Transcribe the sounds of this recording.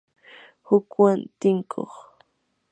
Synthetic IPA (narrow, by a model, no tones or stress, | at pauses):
hʊkwant̪ɪŋkʰo̰χ